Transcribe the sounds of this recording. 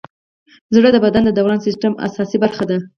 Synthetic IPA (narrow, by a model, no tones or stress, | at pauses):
zɽəd̪əbad̪and̪əd̪awɾɑnsɪsʈama̰sɑsibaɾxad̪a